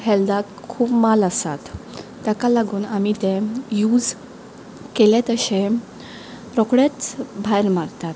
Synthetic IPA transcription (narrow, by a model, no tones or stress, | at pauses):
ɦɛld̪akkʰuːpmaləsa̰t̪ː | jakalaɡuːnamit̪ẽjuːd͡z | kelet̪əɕe | ɾɔkɽet͡sbʱajɾmaɾt̪at̪